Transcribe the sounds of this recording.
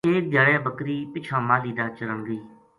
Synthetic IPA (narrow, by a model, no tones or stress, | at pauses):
eːk̚ɡjaːɽɛːbəkɾiːpɪt͡ʃʰaːmãːliːd̪aːt͡ʃəɾəɳɡəiː